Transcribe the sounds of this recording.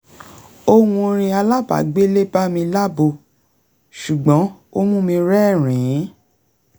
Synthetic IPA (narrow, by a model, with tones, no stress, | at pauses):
o˧wũ˧ɾ̃ĩ˧a˧la˦˨ba̰˨ɡ͡be˦le˦ba˦mĩ˧la˦bo˧˨ | ʃu˨ɡ͡bɔ̃˨˦ | o˦mũ˦mĩ˧ɾɛ˦˨ɾ̃ĩ˨˦